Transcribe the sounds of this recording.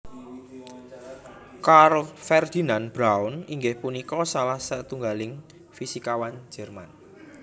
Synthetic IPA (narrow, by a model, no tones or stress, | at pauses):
karfɛrd̪̥i̤nanb̥ɾaʊniŋɡɪhpunikɔsalahsət̪uŋɡalɪŋ | fisikawand͡ʒ̥ɛ̤rman